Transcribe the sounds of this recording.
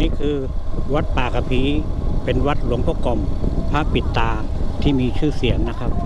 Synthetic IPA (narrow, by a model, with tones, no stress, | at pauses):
niː˦˥˩kʰɯː˧ | wa˦˥t̪̚paː˨˩kʰa˧pʰiː˦˥pe˧nwa˦˥t̪̚lu˨˩˦əŋpʰɔː˧˥˩kɔ˨˩mpʰa˦˥˩ppːi˨˩t̪ːaː˧t̪ʰiː˥˩miː˧t͡ɕʰɯː˥˩si˨˩˦əŋna˦˥kʰa˦˥p̚